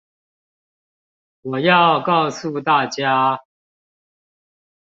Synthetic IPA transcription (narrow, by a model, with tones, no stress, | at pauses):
wɔ˨˩jɑ˥˨ʊkɑ˥˧ʊsu˥˧t̪a˥˩t͡ɕja˦